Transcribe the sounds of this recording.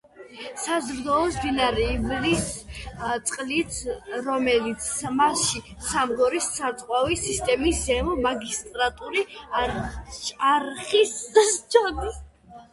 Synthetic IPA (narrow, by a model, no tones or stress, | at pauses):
sazɾd̪ɔɔsb̪inaɾiːvlist̪sʼqʼlit̪ʰɾɔmɛlit̪sʰmasʃisamɡɔɾissʰaɾt̪sʼqʼwavisist̪ʼɛmiszɛmɔmaɡist̪ʼɾat̪ʼuɾi | ʃaɾχisst͡ʃʰad̪is